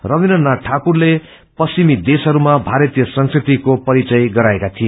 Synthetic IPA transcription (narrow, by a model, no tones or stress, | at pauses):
rʌbinʌnːaʈʰakurle | pʌsimid̪esɦʌɾumabʱaɾʌt̪ijʌsʌŋskrit̪ikopʌɾit͡sʌjɡʌɾaekat̪ʰije